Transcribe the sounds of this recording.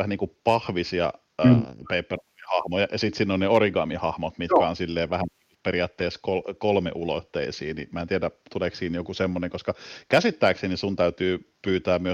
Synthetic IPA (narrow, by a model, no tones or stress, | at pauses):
æhæniːŋkupɑhʋisiɑ̰ː | peipːerɑmihɑhmojɑ̰jɑsit̪siːnːonneoriɡɑmihɑhmot̪mit̪kæonsilːeːʋæhæn | periɑːt̪ːeːskolkolmḛʔulo̰t̪ːḛisḭːnḭmæːnt̪iædæt̪uleːˑksiːnjokusemːoneŋkoskɑkæsit̪ːæːksenisunt̪æyt̪yːpyːt̪æːmmyø